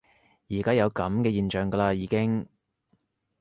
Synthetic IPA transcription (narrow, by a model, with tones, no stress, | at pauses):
jiː˨˩kaː˥jɐ˨˧wkɐ˨˥mkɛː˧jiː˨˧nt͡ʃœː˨ŋɡɐ˧laː˧jiː˨˧kɪ˥ŋ